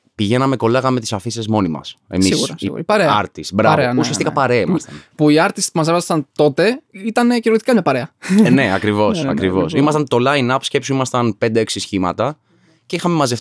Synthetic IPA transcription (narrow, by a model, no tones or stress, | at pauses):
piʝe̞nɐmeko̞lɐɣɐme̞t̪isɐfisezmo̞nimɐ̰sḛmisṵpɐɾeɐɐ̰ɾt̪isbɾɐvɾeɐusiɐst̪ikɐpɐɾeɐimɐst̪npuiɐɾt̪ist̪pumɐsevɐsɐnt̪o̞t̪e̞it̪ɐnciɾoθi̥kɐɲɐpɐɾe̞ɐne̞ɐkɾivo̞ssɐ̰kɾivo̞̰simɐst̪ɐnt̪o̞lɐinɐpo̥sce̞psuimɐst̪ɐnpe̞nd̪ee̞ksisçimɐ̰t̪ɐ | cixɐme̞mɐzef